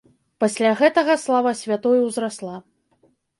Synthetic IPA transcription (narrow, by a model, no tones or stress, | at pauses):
pasʲlʲaɣɛt̪ɐɣɐslˠavɐsʲvʲat̪ɔjuwzɾaslˠa